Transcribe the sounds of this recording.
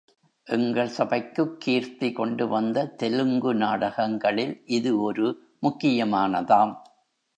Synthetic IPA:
ʔɛŋɡɐɭsɐbɐɪkːɯkʰːiːɾt̪ikɔɳɖɯʋɐnd̪ɐt̪ɛlɯŋɡɯnaːɽɐɣɐŋɡɐɭɪlʔɪðɯɔɾɯ | mʊkːɪjɐmaːnɐðaːm

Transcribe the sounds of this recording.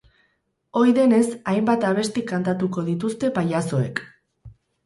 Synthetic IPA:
o̞jðe̞ne̞sajmbat̪aβ̞e̞st̪ikant̪at̪uko̞ðit̪ust̪e̞pajaso̞e̞k

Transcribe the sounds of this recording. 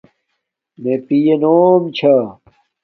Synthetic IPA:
mepijenoːmt͡ɕʰɐ

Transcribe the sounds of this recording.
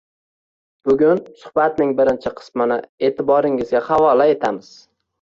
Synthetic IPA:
b̥ʊɡʲʊnsʊ̥hbat̪nɪŋbɪɾɪnt͡ʃʰɪqʰɨ̥smɪnɪ̰e̞ːt̪ʰɪbɒɾɪŋɪzɡʲahavɒlae̞t̪ʰamɪz̥

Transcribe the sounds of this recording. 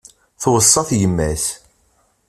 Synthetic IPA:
θwəsˤːɑθjəmːæθ

